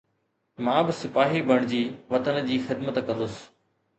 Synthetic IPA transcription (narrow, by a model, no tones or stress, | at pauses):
mãːbɪsɪpaːɦibʱɐɽ̃d͡ʑiːʋɐt̪ənd͡ʑiːxɪd̪mət̪kɐ̃nd̪ʊsɪ̥